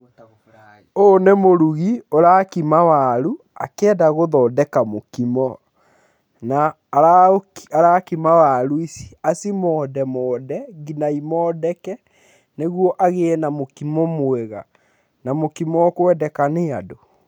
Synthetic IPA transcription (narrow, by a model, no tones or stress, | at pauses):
oːnemoɾuɣioɾakimawaɾu | a̰kɛːdaɣoðɔːdɛkamokimɔ | naː | ɾaaɾakimawaɾuisi̥asimɔːdɛmɔːdɛɡinaimɔːdɛkɛ | neɣwɔʔaɣeɛnamokimɔmwɛɣa | namokimɔkoɛdɛkanea̰do